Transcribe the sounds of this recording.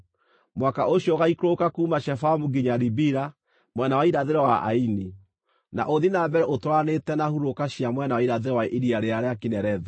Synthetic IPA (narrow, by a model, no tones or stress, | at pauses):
mwakaʔoɕjɔɣaikɾokakuːmaʃɛfamuɡiɲaɾibiɾa | mwɛnawaiɾaðeɾɛwaʔa̰ini | na̰ʔoðinabɛɾɛʔotwanetɛnahuɾokaɕiamwɛnawaiɾaðeɾɛwaʔiɾiaɾeaɾeakinɛɾɛðɛ